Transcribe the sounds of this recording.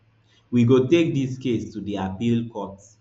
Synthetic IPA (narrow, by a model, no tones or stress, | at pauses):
wiɡotek̚diskestudiapilkɔts